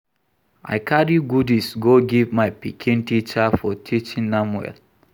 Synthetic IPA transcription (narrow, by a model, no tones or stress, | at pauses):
ʔa̰ɪkʰaɹiɡudisɡoɡivmaɪpikʰĩntit͡ʃafɔtʰit͡ʃĩnnamwɛ̰l